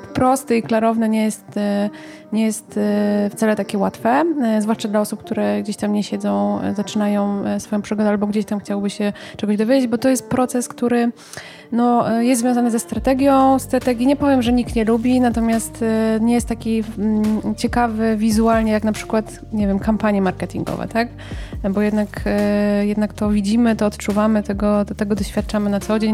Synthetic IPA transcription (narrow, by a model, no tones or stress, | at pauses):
fpɾɔst̪ɨiklaɾɔvnɛɲɛjɛst̪ | ɲɛjɛst̪ft̪salɛt̪akʲɛwat̪fɛzvwaʂt͡ʂad̪laɔsup̚k̚t̪uɾɛɡd͡ʑeɕt̪amɲɛɕɛd̪zɔ̃w̃zat͡ʂɘnajɔ̃w̃sfɔjɔ̃pʂɨɡɔd̪ɛalbɔɡd͡ʑeɕt̪amxt͡ɕawbɘɕɛt͡ʂɛɡɔʑd̪ɔvʲed͡ʑed͡ʑbɔt̪ɔjɛst̪̚pɾɔt̪sɛskt̪uɾɘ | nɔjɛszvʲjɔ̃zanɨzɛst̪ɾat̪ɛɡʲjɔ̃w̃st̪ɾat̪ɛɡʲjiɲɛpɔvʲjɛmʐɛɲikt̪ɲɛlubʲinat̪ɔmʲjast̪ɲɛjɛst̪ːakʲi | t͡ɕɛkavɘvʲizualɲɛjaknapʂɘ̥kwat̪ | ɲɛvʲjɛmkampaɲjɛmaɾkɛt̪ʲiŋɡɔ̰vɛ̰t̪ak | bɔjɛd̪nakjɛd̪nakt̪ɔvʲid͡ʑimɘt̪ɔːt̪t͡ʂuvamɘt̪ɛɡɔt̪ɛɡɔd̪ɔɕfʲjat̪̚t͡ʂamɘnat̪sɔd͡ʑeɲ